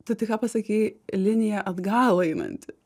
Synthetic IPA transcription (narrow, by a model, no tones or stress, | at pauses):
t̪ɐɪt̪ɪkɑːpɐsɐkʲiːlʲɪnʲɪjɛʔɐd̪ɡɑːlˠɐɪnɐ̰nʲt̪ʲɪ